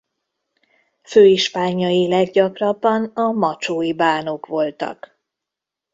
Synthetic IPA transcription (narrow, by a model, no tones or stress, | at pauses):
føːiʃpaːɲɒilɛɡɟɒkrɒbːɒnɒmɒt͡ʃoːibaːno̞kʋo̞lt̪ɒ̰k